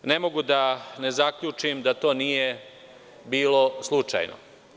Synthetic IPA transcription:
ne̞mo̞ɡud̪ane̞zakʎut͡ʂimd̪at̪o̞ːnije | biːloslˠut͡ʂa̰jno̰

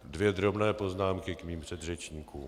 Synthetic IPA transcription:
dvjɛd̪ɾobnɛːpo̞znaːmkɪkmiːmpr̥ɛdrɛt͡ʃɲiːkuːm

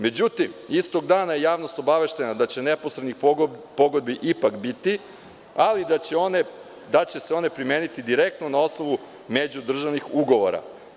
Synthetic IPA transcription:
me̞d͡ʑut̪imist̪o̞ɡd̪aːnaje̞jaːʋno̞st̪o̞baʋe̞ʃt̪e̞nad̪at͡ɕe̞nepo̞sɾed̪nixpo̞ɡod̪biʔipakbit̪i | alid̪aeone | d̪at͡ɕe̞seo̞ne̞pɾimeːnit̪id̪iɾe̞k̚t̪no̞nao̞snoʋu | me̞d͡ʑud̪r̩ʒaʋnixuɡo̞ʋo̰ɾa̰

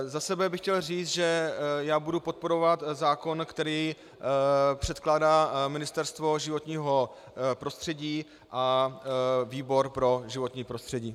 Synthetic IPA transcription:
zasɛbɛbɪxcɛlriːt͡st̪ʒɛjaːbudupo̞t̪̚po̞ɾo̞vat̪zaːko̞nkt̪ɛɾiː | pr̝̥ɛt̪klaːdaːmɪnɪst̪ɛɾst̪vo̞ʒɪvo̞t̪ɲiːɦo̞ | pɾo̞st̪r̥ɛɟiː | ʔa | viːbo̞ɾpɾo̞ʒɪvo̞t̪ɲiːpɾo̞st̪r̝̥ɛɟiː

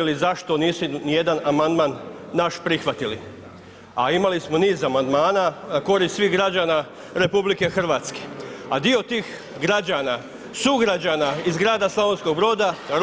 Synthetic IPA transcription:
lizaʃt̪o̞niːsunije̞d̪anamand̪manː | aʃpɾixʋat̪ilḭ | aimalismo̞niːzamand̪maːnanako̞ɾissʋiːɣɡɾad͡ʒana | ɾe̞publike̞xr̩ʋaːt̪ske̥ad̪io̞t̪iːx | ɡɾad͡ʒana | suɡɾad͡ʑanaizɡɾaːd̪aslaʋonsko̞ɡbɾo̞ːd̪aɾ

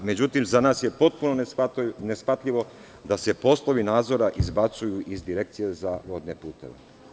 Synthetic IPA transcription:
me̞d͡ʑut̪imzanaːsje̞po̞t̪̚punonesfat̪ʎʲiʋo̞ | d̪ase̞po̞slˠo̞ʋinaːd̪zo̞ɾaʔizbat̪sujuʔizd̪iɾek̚t̪sije̞zaʋod̪nepuːt̪e̞̰ʋḛ

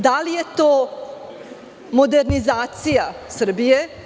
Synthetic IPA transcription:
d̪alije̞t̪oː | mod̪eɾnizaːt̪sijasr̩bije

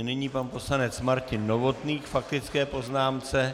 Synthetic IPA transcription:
nɪɲiːpanpo̞slanɛt͡smaɾcɪnːovo̞t̪niːxfak̚t̪ɪt͡skɛːpo̞znaːmt͡sɛ

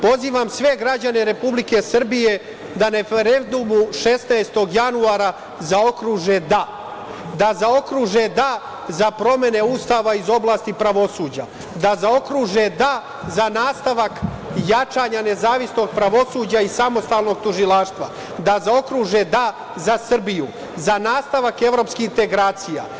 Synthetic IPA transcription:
po̞ziːʋamsʋe̞ɡɾad͡ʑane̞ɾe̞publike̞sr̩bije̞ | d̪aɾe̞feɾend̪umuʃe̞snaest̪o̞ɡjanuaːɾa | zao̞kɾuːʒed̪a | d̪azao̞kɾuːʒe̞d̪a | zapɾo̞me̞ne̞uːst̪aːʋaizo̞blˠaːst̪ipɾaʋo̞suːd͡ʑa̰ | d̪azao̞kɾuːʒed̪a | zanaːst̪aʋak | jat͡ʃaɲane̞zaːʋisno̞ɡ̚pɾaʋo̞suːd͡ʑaisamo̞st̪aːlˠno̞ɡ̚t̪uʒilˠaːʃt̪ʋa̰ | d̪azao̞kɾuʒed̪a | zasr̩biju | zanaːst̪aʋake̞ʋɾo̞pskiint̪e̞ɡɾaːt̪sija̰

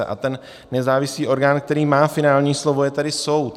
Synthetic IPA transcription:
ɛ̰ʔa̰t̪ɛnː | ɛzaːvɪsliːʔo̞ɾɡaːnk̚t̪ɛɾiːmaːfɪnaːlɲiːslovo̞jɛt̪adɪso̞wt̪

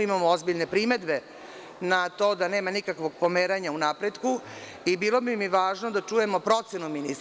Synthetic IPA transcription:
imamoozbiʎne̞pɾime̞d̪be̞ | nat̪o̞ːd̪ane̞ːmanikakʋo̞ɡ̚po̞meːɾaɲaunaːpɾed̪ku | ibiːlo̞bimiʋaːʒno̞d̪at͡ʂuje̞mo̞pɾo̞t̪senuminis

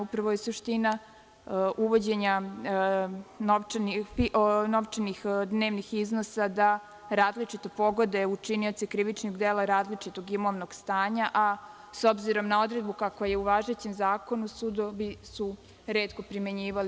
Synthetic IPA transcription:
upɾaʋojesuʃt̪ina | uʋo̞d͡ʑe̞ɲa | noʋniiʔno̞ʋt͡ʃenixd̪ne̞ːʋnixizno̞sad̪a | ɾaːzlit͡ʃit̪o̞po̞ɡo̞d̪eut͡ʃinio̞t̪sikɾiʋit͡ʃnoɡd̪eːlˠaɾaːzlit͡ʂit̪o̞ɡimo̞ʋno̞ɡ̥st̪aːɲaʔa | so̞bziɾo̞mnao̞d̪ɾe̞d̪̚bukakʋaje̞uʋaːʒe̞t͡ɕemzaːko̞nusud̪oʋisu | ɾe̞ːt̪ko̞pɾimeɲiːʋali

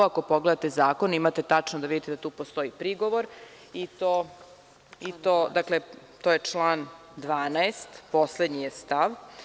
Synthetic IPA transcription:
ako̞po̞ɡle̞d̪at̪ezaːko̞nimat̪e̞t̪at͡ʂnod̪aʋid̪it̪ed̪at̪uːpost̪o̞ipɾiɡo̞ʋo̞ɾ | it̪oː | it̪oːd̪akle | t̪oːjet͡ʂlˠaːn | d̪ʋaːnaest̪po̞sle̞d̪ɲijest̪aʋ

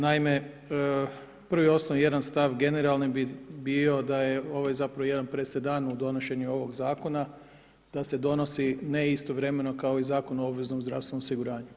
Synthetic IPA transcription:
naime̞ | ə | pr̩ʋio̞snoʋje̞d̪anst̪aʋɡe̞ne̞ɾalˠnibibio̞d̪aje̞o̞ʋajzapɾaʋo̞je̞d̪anpɾesed̪aːnud̪o̞no̞ʃe̞ɲuo̞ʋo̞ɡzaːko̞na | d̪̥ase̞d̪o̞no̞sine̞ist̪o̞ʋɾe̞me̞no̞kaoizaːkonuo̞bʋe̞znomzɾa̰fst̪ʋenmosiɡuɾaːɲu

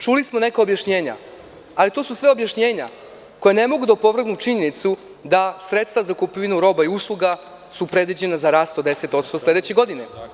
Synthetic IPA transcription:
t͡ʃulismone̞kaobjaʃɲeːɲa̰ | alit̪o̞ːsusʋeobjaʃɲe̞ːɲa̰ | kojanemo̞ɡud̪aopo̞ʋr̩ɡnut͡ʂiɲe̞nit̪su | d̪asɾet̪st̪vazakupiʋinuɾo̞baiuslˠuɡa | supɾe̞d̪ʋid͡ʑe̞nazaɾaːst̪od̪eset̪o̞t̪st̪o̞sled̪et͡ɕeɡo̞d̪ine

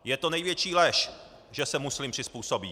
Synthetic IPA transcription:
jɛt̪o̞nɛjvjɛt͡ʃiːlɛʃ | ʒɛsɛmuslɪmpr̥ɪspuːsobḭ

